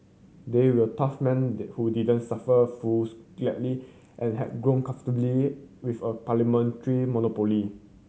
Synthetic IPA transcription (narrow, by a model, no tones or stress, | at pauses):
dewətafmɛ̃nhudidə̃nsafəfusɡlɛʔli | ʔɛ̃nɦɛ̰d̚ɡɹõnkãɱftəbliwifəpalimɛ̃ntəɹimɔnopoli